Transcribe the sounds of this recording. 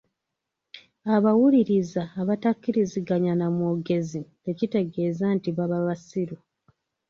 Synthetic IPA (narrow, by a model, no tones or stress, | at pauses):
aβawuliɾizaːβatakːiɾiziɡaɲanamoɡe̞zide̞cite̞ɡe̞ːzantiβaβaβasiɾu